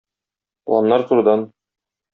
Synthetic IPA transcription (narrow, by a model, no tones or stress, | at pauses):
lˠɑ̰mnɑɾt̪uɾɤ̆d̪ɑn